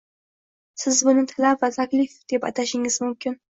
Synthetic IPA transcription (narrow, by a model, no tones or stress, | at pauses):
sɪzbʊnɪt̪ʰalavat̪ʰaklifd̪̥e̞pɑ̰t̪ʰaʃɪŋɪzmʊmkʲɪn